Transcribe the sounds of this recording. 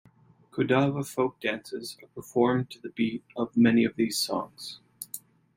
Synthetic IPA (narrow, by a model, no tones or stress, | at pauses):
kʰɨdavəfoʊk̚d̥æ̃nsɪzə˞pʰə˞fɔɹmtʰɨðɨbiɾʌvmɛniʌvðiz̥sɔ̰̃ŋz̥